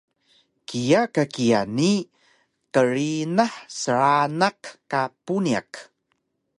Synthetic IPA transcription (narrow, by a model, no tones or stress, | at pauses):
kʰijakakija̰ni | qəɾinaħsəɭanakkapunia̰k